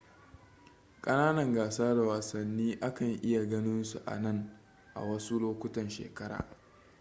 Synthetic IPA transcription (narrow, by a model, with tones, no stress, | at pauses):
kʼɐ˦naː˦nɐ˨ŋɡaː˨saː˦da˨waː˨sɐ˨nːiː˦ʔa˦kɐ˨ŋʔɪ˦ja˨ɡɐ˦nɪ˦nsu˨ʔa̰˨nɐ˦˨ŋ | ʔa̰˨wɐ˦su˦loː˦kʷʊ˦tɐ˨nʃḛː˨kɐ˦ɾa̰ː˨